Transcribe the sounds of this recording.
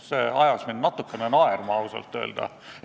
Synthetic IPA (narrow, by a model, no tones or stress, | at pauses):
seːɑjɑsminnɑt̪ːˑukːenenɑermɑusḛlt̪ˑːø̰ːld̪̥ɑ̰